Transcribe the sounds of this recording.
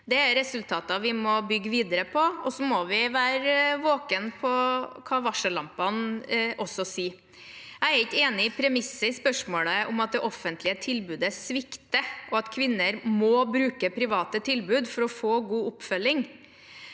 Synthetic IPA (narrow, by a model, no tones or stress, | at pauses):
d̪ɛæɾɛsʉlt̪ʰɑːt̪ɑʋɪmɔbʏɡːəʋiːd̪əɾəpʰɔɔsɔmɔʋɪʋæːɾʋoːkənpʰɔkʰɑʋɑʂəlɑmpɑnʔɔsɔsiː | æɪæɾɪt̪eːnɪɪpʰɾɛmɪsːəɪspœʂmoːɭəʔʊmɑt̪̚d̪ɛʔɔfːənt̪lɪət̪ʰɪlbʉːd̪əsʋɪkt̪əʔɔɑt̪kʰʋɪnːəɾmɔbɾʉːkəpʰɾɪʋɑːt̪ət̪ʰɪlbʉːd̪fɔɾɔfoːɡuːʊpːfœlːɪŋ